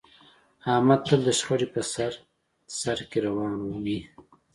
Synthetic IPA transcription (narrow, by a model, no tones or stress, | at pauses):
ɑːmad̪̚t̪əld̪əʃxaɽipəsaɾ | saɾkeɾawɑːnuwi